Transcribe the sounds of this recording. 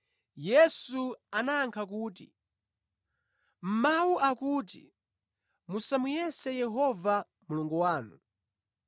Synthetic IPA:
jɛsuanaːŋkʰakuːtḭ | m̩mawuʔakuːt̬ḭ | musamujɛsɛjɛɦɔva | muluŋɡɔwaːnṵ

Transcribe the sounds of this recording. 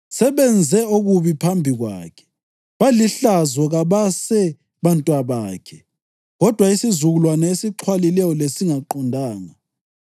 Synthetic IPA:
sɛβɛnd͡zʱɛoɣuβipʰambʱiɣwa̰ːkʰɛ̥ | βaliɬazwɔɣaβasɛ | βantʼwaβaːkʰɛ | ɣɔd̥ʱwaisizuɣulwanaesiǃʰwalilɛjɔlesiŋaǃɔndʱaːŋa

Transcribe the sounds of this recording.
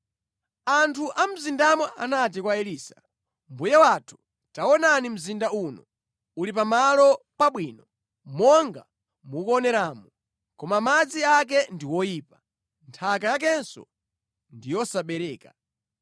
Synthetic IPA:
antʰuʔam̩zindamɔʔa̰nat̬ikwaɛliːsḁ̰ | mbujawatʰu̥ | tawɔnanim̩zindaunɔ̰ | ulipamalɔpaɓwiːnɔ | mɔŋɡa̰ | mukɔnɛɾaːmɔ | kɔmamad͡ziak̬ɛndiwɔjiːpa | ntʰakajak̬ɛnsɔ̰ | ndijɔsaɓɛɾɛːka

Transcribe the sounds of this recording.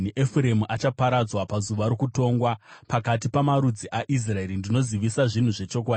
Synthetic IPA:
niʔefuɾe̞muʔat͡ʃapaɾad͡zwapazuʋaɾokuto̞ːŋɡwapakatipamaɾud͡ziʔaʔis̬rae̞ɾindino̞ziʋisaʐin̤uʐe̞t͡ʃo̞k̬waːdii

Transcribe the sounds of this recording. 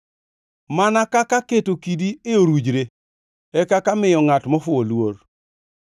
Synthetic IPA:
manakakaketokidieoɾud͡ʒɾe | ɛkakamɪjɔŋatmɔfʊolwor

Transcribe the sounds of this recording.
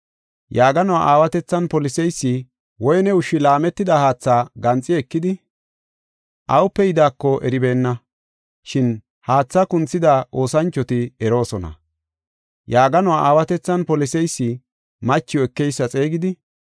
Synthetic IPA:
jaːɡɐnɔwaʔaːwɐt̪ɛt͡sːɐnpɔlɪsɛjsːɪ | wɔjnɛʊʃɪlaːmɛt̪ːɪd̪ɐhaːt͡sːaːɡɐnt͡sʼːɪɛkːɪd̪ɪ | ʔɐwʊpːɛjɪd̪aːkːɔʔɛ̰ɾɪbe̞ːnːɐ | ʃɪn | haːt͡sːɐkʊnt͡sːɪd̪aʔo̞ːsɐnt͡ʃːɔt̪ɪɛɾo̞ːsɔnɐ̰ | jaːɡɐnwaʔaːwɐt̪ɛt͡sːɐnpɔlɪsɛjsːɪ | mɐt͡ʃːɪjɔɛkːɛjsːɐt͡sʼe̞ːɡɪd̪ɪ

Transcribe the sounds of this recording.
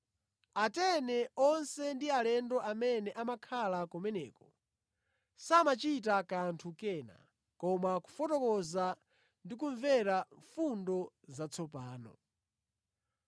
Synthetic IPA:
atɛnɛɔnsɛndialɛndɔʔamɛnɛʔamakʰalakɔmɛnɛ̰ːkɔ | samat͡ʃit̬akantʰukɛːna̰ | kɔmaku̥fɔtɔkɔza | ndik̬uɱvɛɾaɱfundɔ | zat͡sʰɔpaːnɔ̰

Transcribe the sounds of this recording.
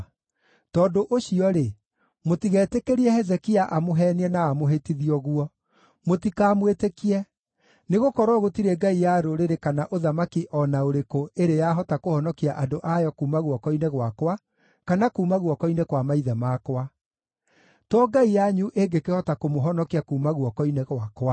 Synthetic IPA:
tɔːdoʔoɕiɔɾe | motiɣɛːtekeɾiɛhɛzɛkiaʔamoɦɛniɛnaːmoɦetiðiɔɣuɔ | motikaːmwetekiɛ | neɣokɔɾɔɣotiɾɛɡaijaɾoɾeɾekanaʔoðamakiʔɔnaoɾekoʔeɾejaɦɔtakohɔnɔkiaʔadoʔajɔkuːmaɣwɔkɔinɛɣwakwa | kanakuːmaɣwɔkɔinekwamaiðɛmakwa | twɔɡaijaɲuʔeɡekehɔtakomoɦɔnɔkiakuːmaɣwɔkɔinɛɣwakwa

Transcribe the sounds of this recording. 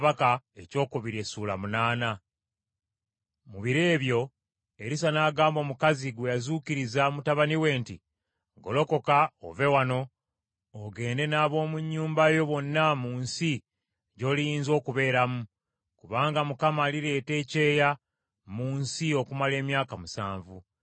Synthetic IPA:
βakaeco̞ːkuβiɾe̞suːlamunaːna | muβiɾe̞ːβjo̞ | e̞ɾisanaːɡaːmbo̞ːmukaziɡwejazuciɾizamutaβaniwe̞ːnti | ɡo̞lo̞ko̞kao̰ve̞wano̞ | oɡe̞ːnde̞naːβo̞ːmuɲːuːmbajo̞βo̞nːamuːnsi | ɟo̞ːlijiːnzo̞ːkuβe̞ːɾamu | kuβaːŋɡamukamaːliɾe̞ːte̞ːce̞ːja | muːnsio̞kumale̞ːmjaːkamusa̰ːɱvu

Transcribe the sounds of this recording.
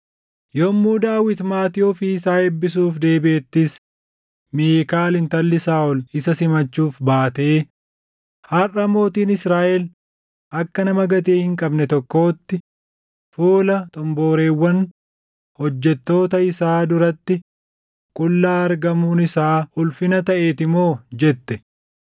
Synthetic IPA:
jomːuːd̪aːwɪt̪maːt̪ɪɔfiɪsaːɛbːɪs̬uːfd̪e̞ːbɪʔeːt̪ːɪs | miːkaːlɪnt̪ɐlːɪsaːʔɔlɪsɐsɪmɐt͡ʃːuːfbaːt̪eː | hɐrɐmo̞ːt̪iːnɪsɾaːʔɛl | ʔɐkːɐnɐmɐɡɐt̪eːhɪŋkʼɐbnɛt̪ɔkːo̞ːt̪ːɪ | fuːlɐt̪ʼɔmbo̞ːɾe̞ːwːɐn | hɔd͡ʒːɛt̪ːo̞ːt̪ɐɪsaːd̪ʊɾɐt̪ːɪ | kʼʊlːaːɐɾɡɐmuːnɪsaːʊlfɪnɐt̪ɐʔeːt̪ɪmo̞ːd͡ʒɛt̪ːɛ

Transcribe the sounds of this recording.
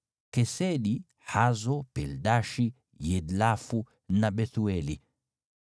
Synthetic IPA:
kɛsɛɗi | hazɔpɛldaʃi | jɛdlafu | naɓɛθuɛli

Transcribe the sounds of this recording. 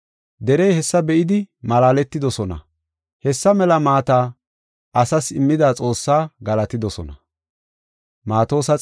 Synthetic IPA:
d̪ɛɾɛjhɛsːɐbɛʔɪd̪ɪmɐlaːlɛt̪ːɪd̪ɔsɔnɐ̰ | hɛsːɐmɛlɐmaːt̪aː | ʔɐsɐsɪmːɪd̪aːt͡sʼo̞ːsːaːɡɐlɐt̪ɪd̪ɔsɔ̰nɐ̰ | maːt̪o̞ːsɐ

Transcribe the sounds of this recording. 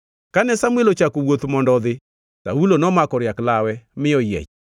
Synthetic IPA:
kanɛsamwelot͡ʃakowot̪mɔndɔðɪ | ta̰ulonɔmakɔɾjaklawɛmɪɔjɛ̰t͡ʃ

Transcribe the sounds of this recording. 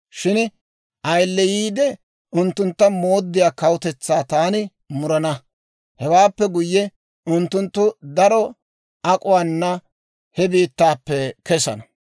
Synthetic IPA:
ʃɪn | ʔɐjlːɛjiːd̪ɛ | ʊnt̪ːʊnt̪ːɐmo̞ːd̪ːɪjaːkɐwʊt̪ɛt͡sːaːt̪aːnɪ | mʊɾɐnɐ | hɛwaːpːɛɡʊjːɛ | ʊnt̪ːʊnt̪ːʊd̪ɐɾɔ | ɐkʼʊwaːnːɐ | hɛbiːt̪ːaːpːɛkɛsɐ̰nɐ

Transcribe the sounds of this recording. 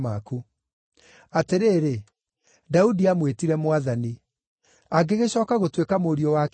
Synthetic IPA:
maku | ateɾeːɾe | daudiamwetiɾɛmowaðani | aɡeɣeɕɔːkaɣotwekamoːɾiɔwak

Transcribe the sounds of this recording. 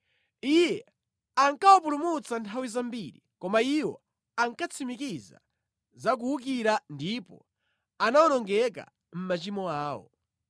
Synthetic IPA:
ijɛ | aŋkawapulumut͡santʰawizambiɾḭkɔmaiwɔ̰ | aŋkat͡sʰimikiza̰ | zak̬uuk̬iɾandipɔ̰ | anawɔnɔŋɡɛk̬a̰ | m̩mat͡ʃimɔaːwɔ̰

